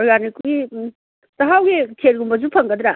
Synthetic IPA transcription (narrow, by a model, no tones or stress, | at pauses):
ɾɡanikuɡi | tɐɦawɡikʰeɾɡumbɐzupʰɐŋɡɐd̪ɾa